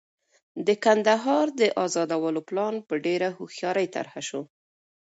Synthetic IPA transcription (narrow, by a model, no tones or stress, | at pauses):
d̪əkand̪aɦɑɾd̪əʔɑzɑd̪awəloplɑnpəɖeɾahuxjɑɾəjt̪a̰ɾhaʃo